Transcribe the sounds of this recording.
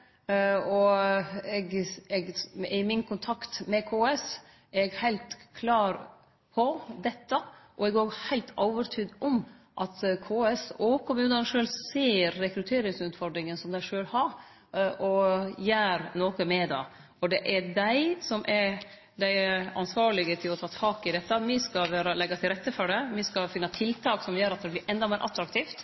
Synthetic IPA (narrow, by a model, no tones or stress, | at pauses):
ɔ | ɛɡɛɡɪmɪnkʰʊnt̪ʰɑkt̪mɛkʰoːɛs | ɛɡhæɪlt̪kʰlɑːɾ | pʰɔd̪ɛt̪ːəʔɔɛɡoːɡhæɪlt̪ʰɑːʋəɾt̪ʰyːd̪ɔmʔɑt̪kʰoːɛsɔkʰʊmʉːnənʂøːlseːɾːɛkɾʉt̪ʰeːɾɪŋsʉːt̪fɔɾd̪ɾɪŋənsɔmd̪æɪʂøːlhɑɾ | ɔjæːɾnoːkəmɛd̪ɑ̰ | ɔɖ̪ɛʔɛdæɪsɔmʔɛɾ | d̪æɪɛɑ̰nsʋɑːɭɪɡət̪ʰɪlɔt̪ʰɑːt̪ʰɑːkɪd̪ɛt̪ːɑmɪskɑʋæːɾɑlɛɡːɑt̪ʰɪlɾɛt̪ːəfɔɖɛmɪskɑfɪnːɑt̪ʰɪlt̪ʰɑːksɔmjøːɾɑt̪̚d̪ɛblɪɾʔɛnd̪ɑmeːɾʔɑt̪ːɾɑkt̪ʰiːft̪